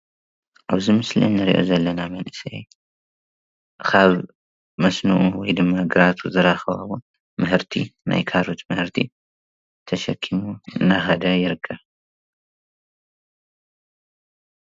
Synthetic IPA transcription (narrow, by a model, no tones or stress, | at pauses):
ʔaβzimɨslḭnːɨɾḭʔo̞̰zɐlːɐnamɐnʔɨsɐ̰j | kʰaβ | mɐsnuʔuwɔjd̪ɨmːaɡɨɾat̪ʰuzɨɾaxɐβa̰βo | mɨhɨɾt̪ʰina̰jkʰaɾut̪mɨhɨɾt̪ʰi | t̪ʰɐʃɐkʰːimuɨnaxɐd̪ɐjɪɾɨkʰːɐβ